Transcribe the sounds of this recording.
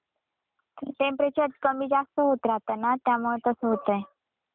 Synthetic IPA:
ʈempɾet͡ɕəɾkəmiːd͡zast̪əɦot̪ɾat̪anat̪jamuɭet̪əsəɦot̪əj

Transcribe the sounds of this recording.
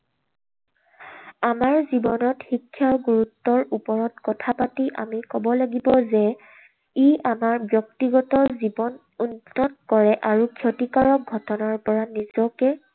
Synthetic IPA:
amaɹzibɔnɔtxikʰːjaʊɡuɹutːɔɹupɔɹɔtkɔtʰapatiʔa̰mikɔbɔlaɡibɔzɛ | iʔamaɹbjɔk̚tiɡɔtɔzibɔn | unːɔtkɔɹɛʔaɹukʰjotikaɹɔk̚ɡʱɔtɔnaɹpɔɹanizɔkɛ

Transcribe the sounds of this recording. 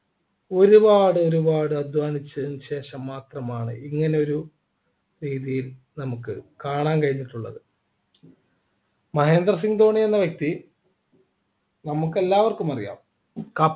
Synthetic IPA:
o̞ɾubaːɽɨo̞ɾubaːɽɨɐd̪ʱʋaːnit͡ɕːɨðnɕe̞ːʂɐmːaːt̪rɐmaːɳɨiŋːɐne̞o̞ɾu | ɾiːðijil | nɐmukːɨkaːɳaːnkɐɻinːiʈːuɭːɐ̰ðɨ | mɐɦe̞ːnd̪rɐs̬iŋɡt̪o̞ːɳienːɐʋjek̚t̪i | nɐmukːe̞lːaːʋɐrkumɐrija̰ːm | kɐ

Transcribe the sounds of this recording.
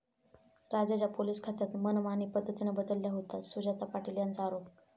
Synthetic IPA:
ɾad͡ʑad͡ʑjapoliːskʰat̪at̪mənʋanipəd̪ʱːət̪inəbəd̪əlːjaɦot̪asud͡ʑat̪apaʈiljant͡saːɾop

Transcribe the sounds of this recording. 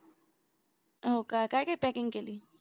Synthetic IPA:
ɦokakakepɛkɪŋkeli

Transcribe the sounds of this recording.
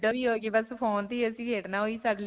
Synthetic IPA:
ɖəiːɦoːkebəspʰoːnt̪iːəsĩːkeːʈnaːɦoːiːsəɖl

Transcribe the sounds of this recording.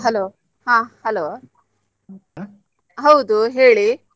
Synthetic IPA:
ɦɐloː | hãːhɐloː | ɦɐwd̪uɦeːɭi

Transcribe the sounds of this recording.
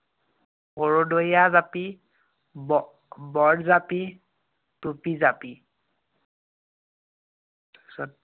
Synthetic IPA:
hoɹodojazapi | bɔdzapi | tupizapi | sɔ

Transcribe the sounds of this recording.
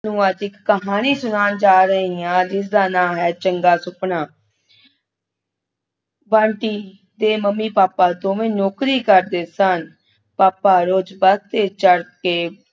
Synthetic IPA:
nũːad͡ʒɪkːəɦaːniːsʊnaːnd͡ʒaːɾəɦiːãːd͡ʒɪsd̪aːnãːɦɛːt͡ʃəŋɡaːsʊpnaː | bãːɳʈiː | d̪eːməmːiːpaːpaːd̪õːʋẽːnoːkɾiːkəɾd̪eːsən | paːpaːɾoːd͡ʒbəst̪eːt͡ʃəɽkeː

